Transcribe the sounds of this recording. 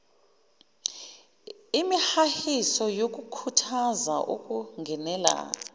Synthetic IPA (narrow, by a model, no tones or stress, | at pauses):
imihahisɔjok̬ʼukʰutʰaza̰ʔṵkʼuŋɡʱɛnɛla̰